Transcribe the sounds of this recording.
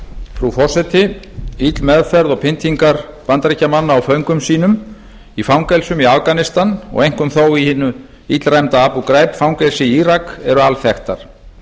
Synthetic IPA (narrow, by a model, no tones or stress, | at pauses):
fɾufɔr̥sɛt̪ɪ | it̪lmɛðfɛɾðɔpʰɪnt̪ʰiŋkaɾpant̪ɾicːamanːaːwfœɥŋkʏmsiːnʏm | ifawŋkɛjlsʏmiavkanɪst̪anɔ̰ɣejŋ̥kʏmθowihɪnʏ | it̪lrajmt̪aapukɾaːjpfawŋkɛlsɪiiːɾakɛɾʏalθɛxt̪aɾ̥